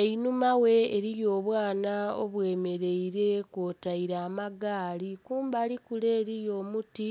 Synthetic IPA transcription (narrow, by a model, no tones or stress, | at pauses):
einumawe̞ːɾijo̞ːβwaːnaoβwe̞ːme̞ɾe̞iɾe̞kotaiɾaːmaɡaːlikuːmbalikule̞ːɾijo̞muti